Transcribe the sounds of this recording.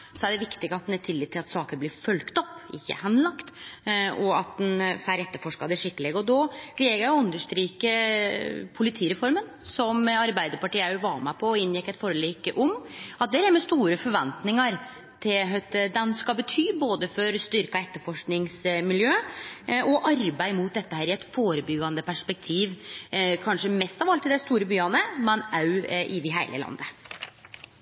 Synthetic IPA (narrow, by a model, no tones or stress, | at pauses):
sɔæɖɛʋɪkt̪ɪɡəɑt̪̚d̪nɛt̪ʰɪlːiːt̪ʰːɪlɑt̪sɑːkəɾblɪɾfœlkt̪ɔpːɪ̰çːə̰hɛnlɑkt̪ɔɑt̪̚d̪ɛnfæɾɛt̪ːəɾfɔʂkɑd̪ɛʂɪkːəlɛɡəɔd̪ɔːleːɡəjæɪɔʉnd̪əʂt̪ɾiːkə | pʰʊlɪt̪ʰiːɾɛfɔɾmənsɔmɑɾbæɪd̪əɾpʰɑʈiːæɾʊʋɑːmæpʰɔɪnːjɪkːɛɪt̪fɔɾəliːkʔɔmɑt̪̚d̪ɛɾæɾmɛst̪uːɾəfɔɾʋɛnt̪nɪŋɑɾ | t̪ʰɪlɦt̪d̪ɛnskɑbət̪ʰyːboːd̪əfɔɾst̪ʏɾkɑɛt̪ːəɾfɔʂknɪŋsmɪljøːʔɔʔɑɾbæɪmʊt̪̚d̪ɛt̪ːəhæːɾɪɛt̪foːɾəbʏɡɑnd̪əpʰæʂpɛk̚t̪ʰiːʋkʰɑnʂəmɛst̪ɑʋɑlt̪ɪld̪ɛst̪uːɾəbyːɑnəmɛnɑʉʔɪd̪ɪɦæɪlə̰lɑ̰nd̪ə